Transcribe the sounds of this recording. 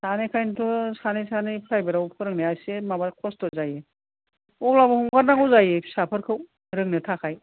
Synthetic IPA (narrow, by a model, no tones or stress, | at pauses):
sanekʰajntʰɔsanɯjsanɯjpʰɾajbaɾawpʰɯɾɯŋneajsemabakʰɔstɔzaje | ɔk̚labɯhuŋɡaɾnaŋɯwzajesapʰɯɾkʰɯw | ɾɯŋnɯtʰakʰaj